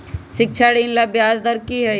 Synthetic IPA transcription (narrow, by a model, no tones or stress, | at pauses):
ʃɪkt͡ʃʰaːɽiːnlabjaːzd̪əɾkiɦɛ